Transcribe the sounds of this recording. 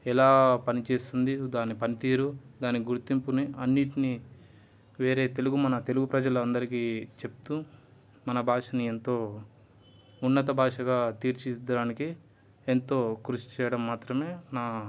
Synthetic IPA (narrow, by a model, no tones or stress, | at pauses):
ɛlaːpɐnit͡ʃeːst̪und̪id̪aːnːipɐnit̪iːɾud̪aːnːiɡuɾt̪impuniɐnːiʈini | ʋe̞ːɾe̞ːt̪e̞luɡumɐnɐt̪e̞luɡupɾɐd͡ʒɐlɐɐnd̪ɐɾikit͡ʃe̞p̚t̪u | mɐnɐbʱaːʂɐnie̞nt̪o̞ː | unːɐt̪ɐbʱaːʂɐɡaːt̪iːɾt͡ʃid̪ɐɽaːniki | ent̪o̞ːkɾuʂt͡ʃɛːjɐɽɐmːaːt̪ɾɐme̞ːnaː